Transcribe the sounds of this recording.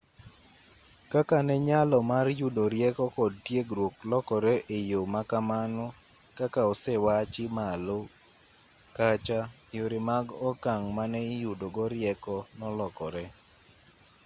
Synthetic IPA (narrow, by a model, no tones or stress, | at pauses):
kakanɛɲalɔmarjudoɾjɛkɔkɔd̚tjeɡɾwoklɔkɔɾɛʔejomakamanɔ | kakaɔsɛwat͡ʃɪmalo | kat͡ʃajoɾemaɡɔkaŋmanɛjudoɡɔɾɪjɛkɔnɔlɔkɔɾɛ